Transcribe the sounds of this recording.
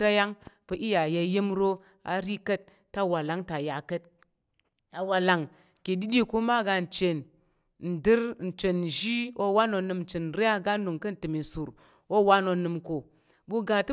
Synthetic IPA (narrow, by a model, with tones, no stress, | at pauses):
ɾa˦ja˦ŋpə˨˦ʔi˦ja˨ja˨je˦mɾo˦ | a̰˨ɾi˦kə˦t̚ːa˦wa˨la˨˦ŋta˨ja˨kə˦t̚ | a˨wa˨la˨ŋ | ke˨di˦ɗi˦ku˦ma˦ɡa˧n̩˨t͡ʃe˨n | n̩˨dɨ˦ɾn̩˨t͡ʃe˨n˨ʒi˦wo˦wa˦no˨nɨ˨mn̩˨t͡ʃe˨n˨ɾe˦ja˦ɡa˦nu˨ŋkə˦n̩˨tɨ˨mi˨n˨su˨ɾ | wo˦wa˦no˨nɨ˨mko˨ | bu˦ɡa˨tɨ˦